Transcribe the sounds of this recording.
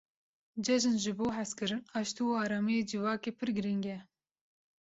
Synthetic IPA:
d͡ʒɛʒɨnʒɨboːɦæskɨɾɨnɑːʃt̪uɑːɾɑːmijeːd͡ʒɨvɑːkeːpʰɨɾɡɨɾiŋɡɛ

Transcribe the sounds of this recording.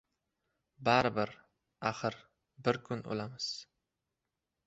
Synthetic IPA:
baɾɪbɪɾ | aχɨɾ | bɪɾkʰʊno̰lˠamɪz̥

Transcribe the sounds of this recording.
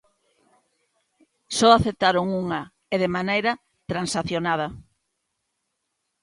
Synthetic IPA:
sɔaθep̚t̪aɾoŋuŋa | eðemanejɾɐ | t̪ɾansaθjonað̞ɐ

